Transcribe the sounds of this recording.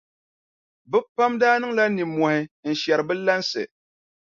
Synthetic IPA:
bɨ˦pa˦mdaː˦nɨ˦ŋla˦ni˨mːɔ˨hɪ˨˦n̩˨ʃɛ˨ɾɨ˨bɨ˦la˦nsɨ̰˨

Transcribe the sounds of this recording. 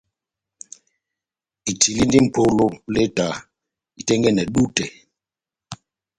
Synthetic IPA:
i˨tʰi˨li˦ndi˦m̩˨pʰo˦lo˦le˦ta˨ | i˨tɛ˦ŋɡɛ˦˨nɛ˨ɗu˦tɛ˨

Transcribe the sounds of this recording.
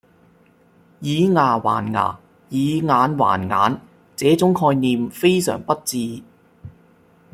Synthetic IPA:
jiː˨˧ŋaː˨˩wa̰ː˨˩nŋa̰ː˨˩ | jiː˨˧ŋaː˨˧nwa̰ː˨˩nŋa̰ː˨˧n | t͡sɛː˨˥t͡sʊ˨˥ŋkʰɔː˧jniː˨mfe˥jsœ̰ː˨˩ŋpɐ˥t̚t͡siː˧

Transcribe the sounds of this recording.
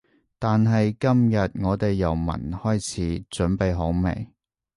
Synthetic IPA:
t̪aː˨nɦɐ˨jkɐ˥mjɐ˨t̚ŋɔː˨˧t̪e˨jːɐ˨˩wmɐ̰˨˩nhɔː˥jt͡sʰiː˨˥t͡sɵ˨˥npe˨jɦo˨˥wmḛ˨˩j

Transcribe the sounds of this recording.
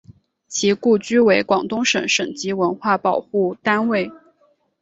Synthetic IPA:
t͡ɕʰi˧˥ku˥˩t͡ɕy˥we˧˥ɪkwɑ˨˩ŋt̪ʊ˥ŋʂə̰˨˥ŋʂə˨˩ŋt͡ɕi˧˥wə˧˥nxwa˥˩pɑ˨˩ʊxu˥˩t̪a˥nwe˥˩ɪ

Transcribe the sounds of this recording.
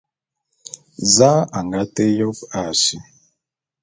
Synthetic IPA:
za˦a˨ŋɡa˦te˦jo˦va˨ʃi˨

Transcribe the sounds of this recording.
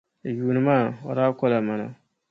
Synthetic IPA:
a˨juː˨nɨ˨˦maː˦˨o̰˨ɾaː˦kɔ˦la˨ma˨na̰˨

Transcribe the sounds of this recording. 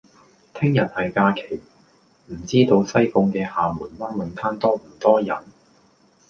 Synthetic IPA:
t̪ʰɪ˥ŋjɐ˨˩t̚hɐ˨jkaː˧kʰe˨˩j | m̩˨˩t͡siː˥t̪o˧wsɐ˥jkʊ˧ŋkɛː˧haː˨muː˨˩nwaː˥nwɐ˨˧nt̪ʰaː˥nt̪ɔː˥m̩˨˩t̪ɔː˥jɐ˨˩n

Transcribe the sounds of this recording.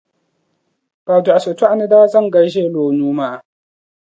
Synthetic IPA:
b̥aː˨du˨a˨so˨tu˦ʔa˦ne˦da˦wa˦zɐ˦˨ŋɡɐ˦ɽʒeː˦˨loː˨nuː˦ma˦ʔa˨

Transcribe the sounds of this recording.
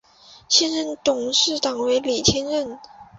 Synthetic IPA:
ɕjɛ˥nɻə˥nt̪ʊ˨˩ŋʂɻ̩˥˩t̪ɑ˨˩ŋwe˧˥ɪli˨˩t͡ɕʰjɛ˥nɻə˥˩n

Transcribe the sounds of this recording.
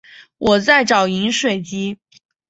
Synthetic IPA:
wʔɔ˨˩t͡sa˥˩ɪʈ͡ʂɑ˨˩ʊi˧˥ŋʂwe˨˩ɪt͡ɕi˥

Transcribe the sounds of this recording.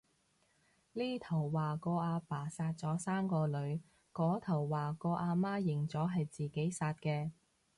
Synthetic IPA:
liː˥t̪ʰɐ˨˩wːaː˨kɔː˧ʔaː˧paː˨˩saː˧t̚t͡sɔː˨˥saː˥mkɔː˧lɵ˨˧ɥ | kɔː˨˥t̪ʰɐ˨˩wːaː˨˩kɔː˧ʔaː˧maː˥jɪ˨˩ŋt͡sɔː˨˥ɦɐ˨jt͡siː˨ke˨˥jsaː˧t̚kɛː˧

